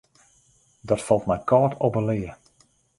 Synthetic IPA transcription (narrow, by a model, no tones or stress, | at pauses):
dɔtfɔlˠtmɛjkʰɔːtʰopəlɪːə